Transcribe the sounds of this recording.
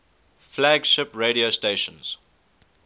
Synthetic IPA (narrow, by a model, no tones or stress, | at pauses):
flæɡʃɪpɹeːɾiosteːʃə̃nz̥